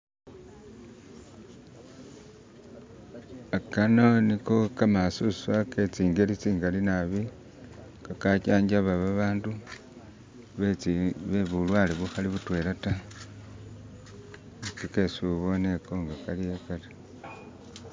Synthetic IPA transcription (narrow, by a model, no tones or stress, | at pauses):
akanonikokamasusaket͡siːŋɡelit͡siːŋɡalinaβi | kakacaːɲɟaβaβaβaːndu | βeβulwaːleβuxaliβutwe̞ːlata | t͡sike̞suβo̞neko̞ŋɡakaliekali